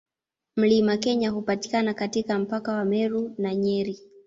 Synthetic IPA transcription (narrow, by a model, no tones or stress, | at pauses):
m̩limakɛɲahupati̥kanakatikam̩pakawamɛɾunaɲɛɾi